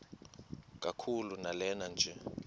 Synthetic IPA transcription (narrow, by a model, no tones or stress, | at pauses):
k̬ʼakʰulunalɛnand͡ʒʱɛ